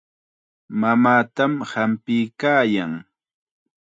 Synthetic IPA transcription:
mamaːt̪amhampɪjkaːjaŋ

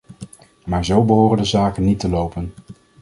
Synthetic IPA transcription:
maːɹzowbəɦoːrəndəzaːkənːitəlowpən

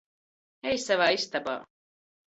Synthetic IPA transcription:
ɛjsavaːist̪aba̰ː

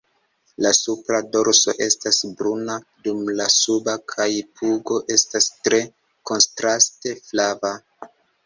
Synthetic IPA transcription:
lasupɾado̞ɾso̞̰ʔe̞stasbɾunadumlasubakʰajpuɡo̞ʔe̞stastɾe̞ | ko̞nstɾaste̞flava

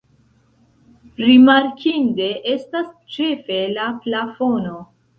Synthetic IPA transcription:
ɾimaɾkʰinde̞ʔe̞stas | t͡ʃe̞fe̞laplafo̞no̞

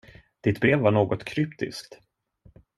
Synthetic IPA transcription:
d̪̥ɪt̪bɾeːvːaɳoːɡɔt̪kʰɾʏpt̪ɪ̰skt̪

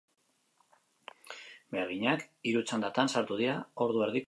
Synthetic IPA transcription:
beɾɣiɲakiɾut͡sand̪at̪ansaɾt̪uð̞iɾao̞ɾðue̞ɾðik

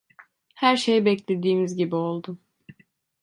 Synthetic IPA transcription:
hæɾʃe̞jibɛclʲe̞d̪iːmizɟibio̞lˠd̪ʊ

